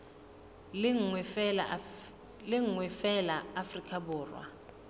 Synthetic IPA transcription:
ŋ | lɪŋŋwɛfɛlaːfrikʰʼabʊːrwa̰

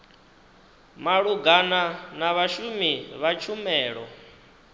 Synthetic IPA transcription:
maɺuɡananaβaʃumiβat͡ʃʰumɛːɺɔ

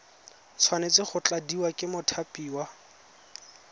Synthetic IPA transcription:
t͡sʰwanet͡sɪχʊt͡ɬʼadiwakʼɪmʊtʰapʼiːwa

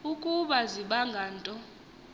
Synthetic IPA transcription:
ukʼuɓaziɓaŋɡʱaːntʼɔ

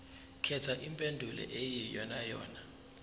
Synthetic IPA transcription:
kʰɛtʰaʔimpʼendʱulʔɛ̰ʔejijɔnajɔ̰ːna

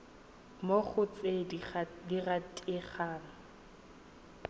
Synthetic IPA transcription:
moχʊt͡sʼediratʼɪχaːna

